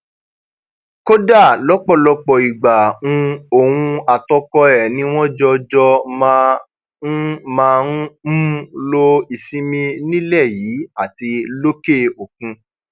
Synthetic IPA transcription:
ko˦da˦˨lɔ˦k͡pɔ˦˨lɔ˧k͡pɔ˧˨i˨ɡ͡ba˨ũ˧o˨wũ˧a˨tɔ˦kɔ˧ɛ˨nĩ˦w̃ɔ̃˦d͡ʒɔ˧d͡ʒɔ˧mã˧ | ũ˦mãː˧ũ˦mũ˦lo˦i˧sĩ˦mĩ˧nĩ˦lɛ˦˨jiː˨˦a˦˨ti˧lo˦ke˦˨o˨k̚ũ˧

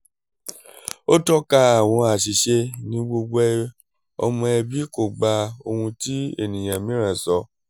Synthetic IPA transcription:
o˦tɔ˦ka˧a˨w̃ɔ̃˧a˨ʃi˨ʃe˧nĩ˦ɡ͡bo˧ɡ͡bo˧ɛ˧ | ɔ̰˧mɔ̃˧ɛ˧bi˦ko˨ɡ͡ba˧o˧hũ˧ti˦ḛ˦˨nĩ˨j̃ã˨mĩ˨˦ɾã˦˨sɔ˧˦

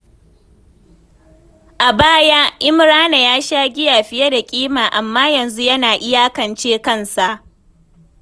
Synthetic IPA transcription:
ʔa˨baː˦ja˦ʔɪ˦mɾaː˦na˨jaː˦ʃaː˦ɡʲɪ˦jaː˨ɸɪ˦jɐ˦da˨kʲʼiː˦maː˨ʔa˨mːaː˦jɐ˨nzu˦jɐ˦naː˨ʔɪ˦jaː˦kɐ˨nt͡ʃeː˦kɐ˦˨nsa˨ʔ

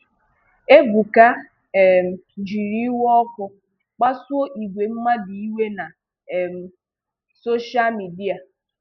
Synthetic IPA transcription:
e˦ɡʷu˨ka˦˨ | d͡ʒi˨ɾi˦wɔ˦kʊ˦ | k͡pa˦su˦o˦ʔi˨ɡʷe˨m̩˦ma˦di˨i˦we˦na˨ | m̩˨ | so˦ʃa˦lmi˨di˦a˨

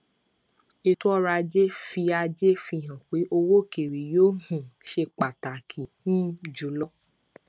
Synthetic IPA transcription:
e˧tu˦ɔ˦ɾa˧d͡ʒe˦fi˧a˧d͡ʒe˦fi˧˨ɦã˨k͡pe˨˦ʔo˧wo˦ke˨ɾi˨joː˦hũ˨ʃe˧k͡pa˨ta˨kʰi˨nũ˦d͡ʒu˨˦lɔ˦

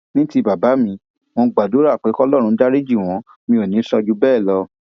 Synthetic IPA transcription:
nĩ˦ti˧˦ba˨ba˨˦mĩ˧ | w̃ɔ̃˧ɡ͡ba˨do˨˦ɾa˦˨k͡pe˨˦kɔ˦lɔ˦˨ɾũ˧˦da˦ɾi˦d͡ʒi˦˨w̃ɔ̃˨˦ | mĩ˧o˨nĩ˨˦sɔ˧d͡ʒu˦bɛː˦˨lɔ˧

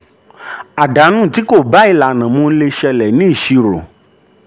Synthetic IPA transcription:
a˨da˨˦nũ˦˨ti˨˦ko˦˨ba˨˦i˦˧la˨nã˨mũ˧n̩˦le˧ʃɛ˧lɛ˨nĩ˨˦i˦˨ʃi˧ɾo̰˨

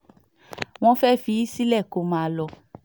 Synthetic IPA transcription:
w̃ɔ̃˦fɛ˦fi˧˦i˦si˦lɛ˦˨ko˨˦mã˨lɔ˧

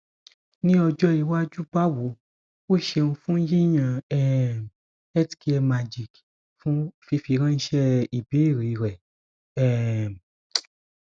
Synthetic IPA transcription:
nĩ˦ɔ˧d͡ʒɔ˦i˧wa˦d͡ʒu˦ba˦wo˨˦ | o˦˨ʃe˧ũ˧fũ˦ji˦j̃ã˦˧ɛ˨ | ɛ˦ti̥˨ki˦ɛ˧ma˧d͡ʒi˦˨k | fũ˦fi˧˦fi˧˦ɾ̃ã˦ʃɛ˦i˨bi˨˦i˦˨ɾi˨˧ɾɛ˨ | ɛ˦˨

